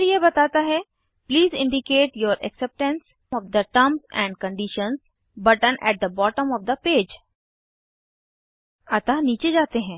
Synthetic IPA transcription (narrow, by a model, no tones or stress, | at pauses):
ɾjebɐt̪aːt̪aɦɛ | pliːzɪ̃ɳɖɪkeːʈjoːɾʔɛ̰ksɛp̚ʈə̃ns | ɔːʋd̪əʈɐɾmzɛ̰̃ːɳɖ̚kə̃ɳɖɪʃə̃nz | bɐʈə̃nʔɛ̰ʈ̚d̪əbɔːʈə̃mɔʋd̪ɐpeːd͡ʒ | ɐt̪aniːt͡ʃed͡ʒaːt̪eɦɛ̃ː